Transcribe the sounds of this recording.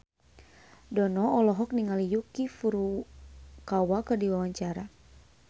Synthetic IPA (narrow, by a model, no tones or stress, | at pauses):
dɔnɔɔlɔɦɔk̚niŋalijukifuɾu | kawakərdiwawaɲt͡ʃaɾa